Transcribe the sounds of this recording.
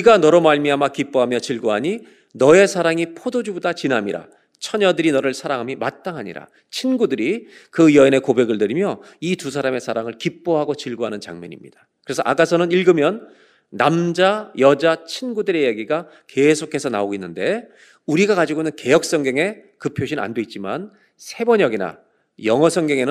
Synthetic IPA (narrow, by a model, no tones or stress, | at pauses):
iɡanʌɾʌmaɭmiamakip͈oɦamjʌt͡ɕiɭɡoɦaɲi | nʌe̞sʰaɾaŋipʰodod͡ʑubodat͡ɕinɦamiɾa̰ | t͡ɕʰʌɲʌdɯɾinʌɾɯɭsʰaɾaŋɦamimat̚t͈aŋɦaɲḭɾa̰ | t͡ɕʰinɡudɯɾikɯjʌine̞kobe̞ɡɯɭdɯɾimjʌ | itus̬ʰaɾame̞sʰaɾaŋɯɭkip͈̚oɦaɡot͡ɕiɭɡoɦanɯnt͡ɕa̰ŋɲʌ̰ɲḭmɲḭd̥ḁ | kɯɾe̞sʰʌʔa̰k͈asʰʌnɯniɭɡɯmjʌnː | amd͡ʑajʌd͡ʑat͡ɕʰinɡudɯɾe̞jeɡiɡa | ke̞sʰokʰe̞sʰʌnaoɡoinːɯnde̞ | uɾiɡakad͡ʑiɡonɯnke̞jʌk̚s͈ʌŋɡjʌŋe̞kɯpʰjoɕʰina̰ndwe̞it̚t͡ɕ͈iman | sʰe̞bʌɲʌɡina̰ | jʌŋʌsʰʌŋɡjʌŋe̞nɯ